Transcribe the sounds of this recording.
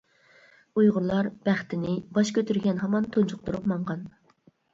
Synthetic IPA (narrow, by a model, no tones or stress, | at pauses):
ujʁʊɾlˠɑɾb̥æχt̪ʰɪnɪbɑʃkʲʰøt̪ʰyɾɡʲɛnɦɑmɑnt̪ʰunt͡ʃʰʊq̚t̪uɾupmɑɴʁɑn